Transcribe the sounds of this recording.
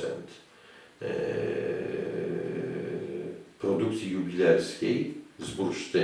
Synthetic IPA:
ɛ̰nt̪ | pʰɾod̪ukt̪ijubilɛɾskʲijzbuɾʃt̪ə

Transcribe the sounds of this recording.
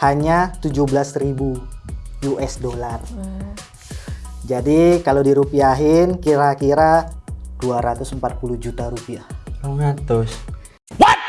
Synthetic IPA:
haɲat̪ud͡ʒuhbəlasɾibujuʔɛsdolar | d͡ʒadikaladiɾupiaɦɪnkiɾakiɾad̥uaɾat̪ʊsəmpat̪̚puluhd͡ʒut̪aɾupiahləŋat̪ʊs | wa

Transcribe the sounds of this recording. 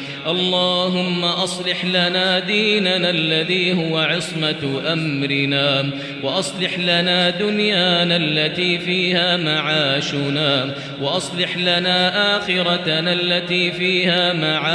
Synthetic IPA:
ʔɑlˤːɑːɦʊmːaʔɑsˤlɪħlanaːd̪iːnanalːaðiːhʊwaʕɑsˤmaʔamɾɪnaː | wɑʔɑsˤlɪħlanaːd̪ʊnjaːnalːat̪iːfiːhaːmaʕaːʃʊnaː | waʔɑsˤlɪħlanaːʔaːxɪɾɑalːat̪iːfiːhaːmaʕaː

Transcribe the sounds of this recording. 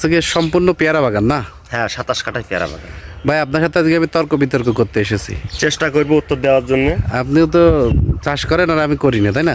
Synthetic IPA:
sekesɔmpuɾnɔpjaɾabʱaɡanːa | hɛ̃ʃat̪askaʈajpija̰ɾa̰ba̰ɡa̰nbʱajap̚naɾʃat̪ad͡ʒiɡiamit̪ɔɾkobʱit̪ɔɾkokot̪eeʃesʰḭt͡ʃesʈakoɾibout̪ːɔɾd̪ebaɾd͡ʒonːea̰pnit̪ɔt͡ʃaʃkɔɾenaɾamikoɾinet̪ʰaɦjna

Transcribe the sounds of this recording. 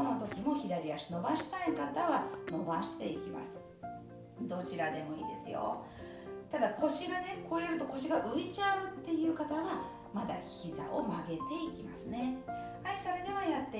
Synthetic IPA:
not̪o̞kʲimo̞çid̪aɾʲiaɕino̞baɕi̥t̪aikat̪aβano̞baɕi̥t̪e̞ikʲima̰sɨ̥ | d̪o̞t͡ɕiɾad̪e̞mo̞ḭːd̪e̞sɨjo̰ | t̪ad̪akʰo̞ɕiɡane̞ko̞ːjeɾɯ̟t̪o̞ko̞ɕiɡaʔɯ̟it͡ɕaɯ̟t̪ːe̞jɯ̟ːkat̪aβa | mad̪a̰çiza̰ʔomaɡe̞t̪e̞ikʲimasɨne̞ | aisaɾed̪e̞βajat̪ːe

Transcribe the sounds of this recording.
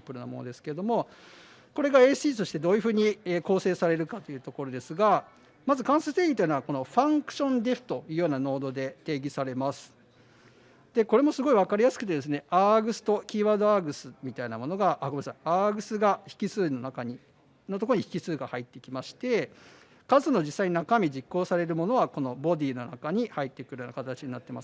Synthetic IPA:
pːɯ̟ɾɯ̟no̰mo̞̰nod̪e̞sɨ̥ke̞ed̪o̞mo̞ | ko̞ɾe̞ɡae̞ːsɨiːt̪o̞ɕi̥t̪e̞d̪o̞ːjɯ̟ɸɯ̟ːɲ̟ieːko̞ːse̞ːsaɾe̞ɾɯ̟kat̪o̞iɯ̟ːt̪o̞ko̞ɾo̞d̪e̞sɨɡa | mazɨkãɰ̃sɨt̪eːɡʲit̪oji̟naβako̞no̞ɸãŋkɯ̟̥ɕõ̞nd̪e̞ɸɯ̟̥t̪o̞jɯ̟ːjo̞ːnano̞ːd̪o̞d̪e̞t̪e̞ːɡʲisaɾe̞masɨ̥ | d̪̥e̞ko̞ɾe̞mo̞sɨɡo̞iβakaɾʲijasɨ̥kɯ̟t̪ed̪e̞s̬ɨne̞aːɡɯ̟sɨ̥t̪o̞kʲiːβaːd̪o̞aːɡɯ̟sɨmʲit̪ainamo̞no̞ɡaʔaɡoesaaːɡɯ̟sɨɡaçi̥kʲisɨːno̞nakaɲ̟i | no̞t̪okoɾoɲ̟içi̥kʲisɨːɡahait̪ːe̞kʲimaɕi̥t̪e̞ | kazɨno̞d͡ʑisːaiɲinakamʲid͡ʑikːo̞ːsaɾe̞ɾɯ̟mo̞no̞βako̞no̞bo̞d̪ʲiːno̞na̰kaɲ̟ihait̪ːe̞kɯ̟ɾɯjona̰kat̪at͡ɕiɲ̟inat̪ːe̞ma̰sɨ̥

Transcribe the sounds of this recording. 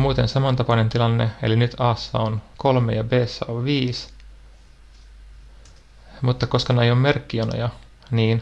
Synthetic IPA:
muːt̪ensemɑnt̪ɑpɑinent̪ilɑnːeḛlinyt̪ʰɑːsːɑ̰onkolmejɑbeːsːæ̰oʋʋiːs | mut̪ːɑko̞skɑneejomme̞rkːiono̰jɑ | niːn

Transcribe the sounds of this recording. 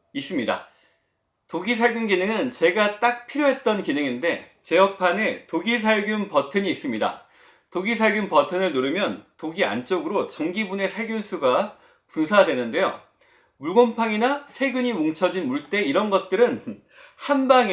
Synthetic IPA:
is͈ɯmɲida̰ | toɡisʰaɭɡjunɡinɯŋɯnt͡ɕe̞ɡat͈ak̚pʰiɾjoɦe̞t̚t͈ʌnkinɯŋinde̞ | t͡ɕe̞jʌk̚pʰane̞toɡis̬ʰaɭɡjunpʌtʰɯɲiːs͈ɯmɲida̰ | toɡis̬ʰaɭɡjunpʌtʰɯnɯɭnoɾɯmjʌntoɡia̰nt͡ɕ͈oɡɯɾot͡ɕʌŋɡibune̞sʰaɭɡjunsʰuɡa | punsʰadwe̞nɯnde̞jo̰ | muɭɡompʰaŋinasʰe̞ɡjuɲimoŋt͡ɕʰʌd͡ʑinmuɭt͈e̞iɾʌnɡʌt̚t͈ɯɾɯn | hanba

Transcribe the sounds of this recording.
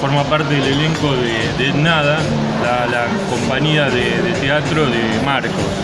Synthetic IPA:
foɾmapaɾt̪eðeleleŋkoðe | ðet̪naða | lala | ko̞mpaɲiaðe | ðet̪eat̪ɾoðe | maɾkos

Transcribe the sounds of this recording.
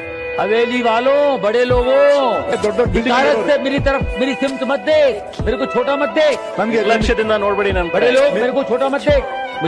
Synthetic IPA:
ɐʋeːliːʋaːlõːbɐɽeːloːɡõː | k̪aːɾətsemeːɾit̪ɐɾəfmeːɾisɪmt̪mɐt̪̚ʰd̪eː | meːɾekot͡ʃʰoːʈaːmɐt̪̚d̪eː | ɐʃed̪ɪ̃nd̪aːnoːɽbɐɽenanɐɽeloːmeːɾkot͡ʃʰoːʈamɐt̪̚d̪eː | m

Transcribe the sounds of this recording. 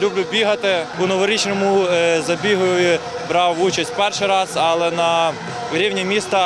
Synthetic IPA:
lʲublʲʊbʲiɦɐt̪ɪpʊnɔʋɔɾit͡ʃnɔmʊzɐbʲiɦʊjʊji | bɾɑwut͡ʃɐsʲtʲpɛrʃɪjɾɑzɐlˠɛnɐ | ɾʲiwnʲimʲist̪ɐ

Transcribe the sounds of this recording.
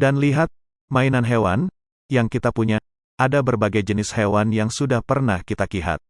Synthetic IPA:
danliɦat̪̚ | mainanɦewan | jaŋkit̪apuɲa | adabərbaɡajd͡ʒənɪshewanjaŋsudahpərnahkit̪akiɦa̰t̪̚

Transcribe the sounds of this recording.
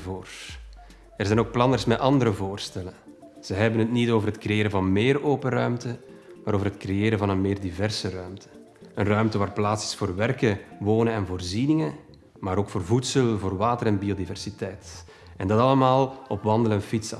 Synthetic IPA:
voːr | ɛrzɛjnoːk̚plɑnərsmɛtʔɑndəɾəvoːrstɛlə | z̥əɦɛbənɦətnitoːvərɦətkrɾejeːɾəvɑnmeːroːpəɾœɥmtəmaːɾoːvərɦətkrejeːɾəvɑnənmeːrdivɛrsərœɥmtʰə̥ | ənrœɥmtəʋaːrplaːtsɪ̥sfoːrʋɛrkəʋoːnənɛnvoːrzinɪŋə | maːɾoːkfoːrvutsəlˠvoːrʋaːtəɾɛnbiodivɛrsitɛjt | ɛndɑtɑləmaːlˠɔpʋɑnd̪əlɛnfits

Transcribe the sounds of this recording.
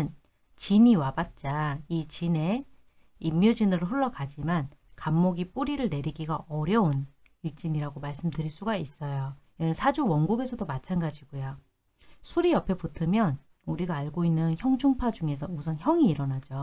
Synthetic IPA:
n | t͡ɕiniwabat̚t͡ɕ͈ait͡ɕine̞ | imːjud͡ʑinɯɾɯɭɸuɭːʌkad͡ʑimankamːoɡip͈uɾiɾɯɭne̞ɾiɡiɡaʔʌɾjʌon | ik̚t͡ɕ͈iniɾaɡomaɭs͈ɯmdɯɾiɭs͈uɡais͈ʌjo | ʌnɯnsʰad͡ʑuwʌnɡuɡe̞sʰʌdomat͡ɕʰanɡad͡ʑiɡojo | sʰuɾiʌpʰeputʰɯmjʌn | uɾiɡaːɭɡoinːɯnçjʌŋt͡ɕʰoŋpʰad͡ʑuŋe̞sʰʌmusʰʌnçjʌŋiːɾʌnad͡ʑo

